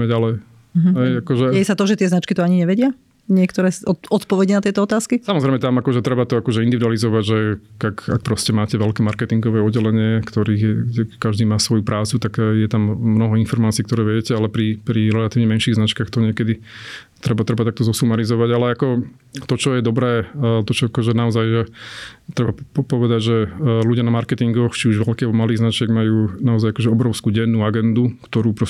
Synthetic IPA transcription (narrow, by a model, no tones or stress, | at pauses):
mɛɟalɛj | ɦɛjakɔʒɛɛjɛsat̪ɔʒɛt̪ɪɛznat͡ʃkit̪ɔaɲiɲɛʋɛɟɪa | ɲɪɛkt̪ɔɾɛːɔɔt̪pɔʋɛɟɛnat̪ɪɛt̪ɔɔt̪aːskisamɔzɾɛɪjmɛt̪amakɔʒɛt̪ɾɛbat̪ɔakɔʒɛind̪iʋid̪ualizɔʋaɟʒɛakak̚pɾɔscɛmaːcɛʋɛlkɛːmaɾkɛt̪iŋɡɔʋɛːɔɟːɛlɛɲɪɛkt̪ɔɾiːɣɛɡɟɛkaʒd̪iːmaːsʋɔjupɾʔaːt͡sut̪akjɛt̪amːnɔɦɔinfɔɾmaːt͡siːkt̪ɔɾɛːʋjɛcɛalɛpɾipɾiɾɛlat̪iːʊɲɛmɛnʃiːɣznat͡ʃkaːxt̪ɔɲɪɛkɛd̪i | t̪ɾɛbat̪ɾɛbat̪akt̪ɔzɔsumaɾizɔʋaɟalɛakɔ | t̪ɔt͡ʃɔjɛd̪ɔbɾɛːt̪ɔt͡ʃɔakɔʒɛnaɔzajʒɛt̪ɾɛbaɔpɔʋɛd̪aɟʒɛluɟɪanamaɾkɛt̪iŋɡɔxt͡ʃiuʒʋɛʎkɛːbɔmaliːɣznat͡ʃɪɛɡmajuːnaɔzajakɔʒɛɔbɾɔʊskuːɟɛnːuːaɡɛnd̪ukt̪ɔɾuːpɾɔ